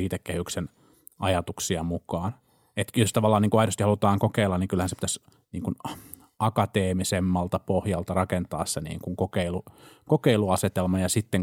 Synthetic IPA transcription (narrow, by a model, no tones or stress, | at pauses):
iːt̪ekkːehyksen | ʔɑjɑt̪uksiɑmukɑːn | et̪jost̪ɑʋɑlːɑːniːŋkuɑidost̪ihɑlut̪ɑːŋkokeilːɑnniŋkylhænsepit̪æs | niːŋkun | ɑkɑt̪eːmisemːɑlt̪ɑpohjɑlt̪ɑrɑkent̪ɑːssenḭːŋkuŋkokeilukokeiluɑset̪elmɑjɑsit̪ːeŋ